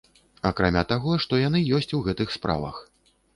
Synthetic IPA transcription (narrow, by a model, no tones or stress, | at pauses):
akɾamʲat̪aɣɔʂt̪ɔjanɨjɔsʲt͡sʲuɣɛt̪ɨxspɾʔa̰vɐ̰x